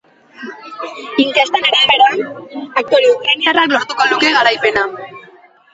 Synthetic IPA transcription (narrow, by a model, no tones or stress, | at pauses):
iŋkest̪anaɾaβeɾoanak̚t̪oɾeukɾaɲaraklo̞ɾt̪ukoluke̞ɣaɾajpe̞na